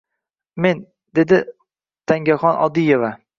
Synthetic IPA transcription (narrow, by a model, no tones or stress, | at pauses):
me̞n | d̪e̞d̪ɪ | t̪ʰaŋɡʲaχɒnʔɒ̰d̪ijeva